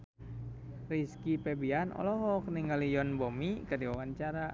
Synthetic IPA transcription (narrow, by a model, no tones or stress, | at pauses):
riskipɛbianɔ̰lɔɦɔk̚niŋɡalijɔnbɔmikədiwawaɲt͡ʃaɾa